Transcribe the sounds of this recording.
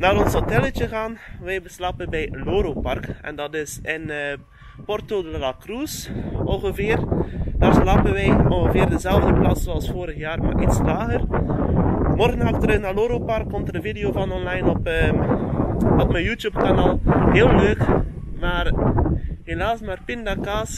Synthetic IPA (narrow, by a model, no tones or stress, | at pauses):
naːɾɔnsɦotɛlət͡ʃəɣaːnʋɛjbəslaːpənbɛjloːɾopɑrkɛ̰ndɑtɪsɪnː | pɔrtodllakrusɔlɣəvɪːrd̥aːrslaːpənʋɛjɔnɣəvɪːrdəzɛlˠvdəplaːssoɑlˠsfoːɾəɣjaːrma̰ɾʔitslaːɣər | mɔrɣənɑktəɾənaːloːɾopɑrkːɔmtədəvidejoːvɑnɔnlajnɔpː | ɔpməjuːtjupkanaːlˠɦeːlˠløːk | maːr | ɦelaːsmaːrpɪndakaːs